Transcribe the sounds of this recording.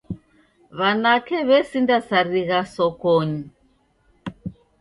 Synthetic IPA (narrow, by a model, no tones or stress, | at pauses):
βanakɛβɛsindasaɾiɣasɔkɔɲi